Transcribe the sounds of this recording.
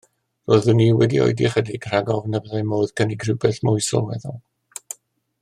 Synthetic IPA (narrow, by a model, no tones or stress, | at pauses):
roːðʊniːwɛdio̰jdiχədiɡr̥aɡɔvnəbəðajmoːðkʰəniɡrɪwbɛθmʊjsɔ̰lˠwɛ̰ðɔ